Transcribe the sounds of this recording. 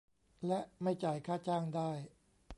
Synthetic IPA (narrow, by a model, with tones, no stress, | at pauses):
lɛ˦˥ʔma˥˩jt͡ɕaː˨˩jkʰaː˥˩t͡ɕaː˥˩ŋdaː˥˩j